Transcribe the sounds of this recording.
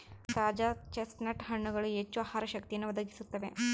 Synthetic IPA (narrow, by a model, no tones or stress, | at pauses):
t̪aːd͡ʒat͡ʃesʈnɐʈɦɐɳːuɡɐɭuet͡ʃːuaːhaːɾɐʃɐk̚t̪ijɐnːuʋɐd̪ʱɐɡisut̪ːɐʋe̞